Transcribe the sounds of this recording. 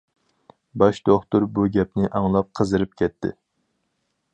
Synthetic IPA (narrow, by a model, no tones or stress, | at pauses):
bɑʃd̪oχt̪ʊɾbuɡʲɛp̚nɪʔɑŋlˠɑp̚qʰəzɨɾɨp̚kʲʰɛt̪ʰːɪ̰